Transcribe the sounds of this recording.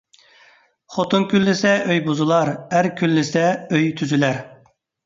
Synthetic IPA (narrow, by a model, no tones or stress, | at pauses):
χot̪unkʲylːɪsɛʔøjbuzɨlˠɑɾæɾkʲʰylːɪsɛøjt̪ʰyzylæɾ